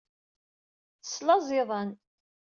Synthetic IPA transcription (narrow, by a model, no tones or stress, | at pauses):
ə̥sːlɑzˤɪðˤɑn